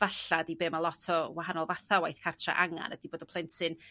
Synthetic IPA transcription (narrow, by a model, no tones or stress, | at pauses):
vaɬadibɨːmalˠɔtʰɔwahanɔlˠvaθawajθkʰartʰra̰ʔaŋa̰nədiboːdɔpʰlˠɛntʰɨn